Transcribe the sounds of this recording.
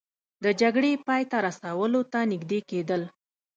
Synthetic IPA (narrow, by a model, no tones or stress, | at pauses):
d̪əd͡ʒaɡɽepɑjt̪aɾasawəlot̪anɪɡd̪eked̪əl